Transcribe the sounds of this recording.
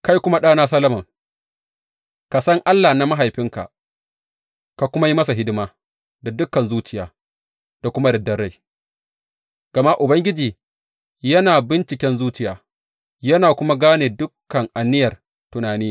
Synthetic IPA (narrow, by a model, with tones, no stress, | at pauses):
ka˦jkʷʊ˦ma˦ɗaː˦naː˦sɐ˦lɐ˦mɐ˨ŋ | ka˨sɐ˦ŋʔa˦lːaː˨na˦ma˦ɦa˨jɸɪ˦ŋka̰˨ʔ | ka˨kʷʊ˦ma˦ji˦mɐ˦sa˨ɦɪ˦dɪ˦maː˦ | da˨dʊ˦kːɐ˨nzuː˦t͡ʃɪ˦jaː˨ | d̥a˨kʷʊ˦ma˦dɐ˨dɐ˨rːa˦j | ɡ̥ɐ˨ma˦ʔʊ˨bɐ˦ŋɡʲɪ˦d͡ʒiː˨ | jɐ˦naː˨bɪ˦nt͡ʃɪ˨kʲɛ˦nzuː˦t͡ʃɪ˦ja̰ː˨ | jɐ˦naː˨kʷʊ˦ma˦ɡaː˦neː˨dʊ˦kːɐ˨ŋʔa˨nːɪ˦jɐ˨r | tʊ˨naː˨niː˦